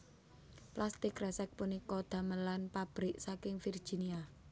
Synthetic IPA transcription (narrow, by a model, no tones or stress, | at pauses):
plast̪ɪkrɛsɛk̚punikɔd̪̥ä̤məlanpab̥ɾɪʔsakɪŋfird̥ʒ̥i̤nia